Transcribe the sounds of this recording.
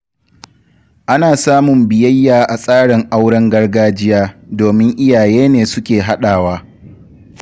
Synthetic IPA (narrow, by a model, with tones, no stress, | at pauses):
ʔa˦naː˨saː˦mʊ˨mbɪ˨jɐ˦jːaː˨ʔa˨sʼaː˦ɽɪ˨ŋʔa˦wɽɐ˦ŋɡɐ˦rɡaː˦d͡ʒɪ˦jaː˦doː˨mɪ˦ŋʔɪ˦jaː˨jeː˦neː˨sʊ˦kʲeː˨ɦa˦ɗaː˨waː˦